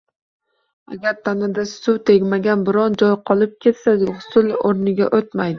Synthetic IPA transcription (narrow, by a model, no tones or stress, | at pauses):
a̰ɡʲaɾt̪ʰanɪd̪asʊwt̪ʰe̞ɡʲmaɡʲanbɪɾɒnd͡ʒɒjqʰɒlˠɪp̚kʲʰe̞t̪saʊʊsʊloɾnɪɡʲaʔot̪majd̪ɪ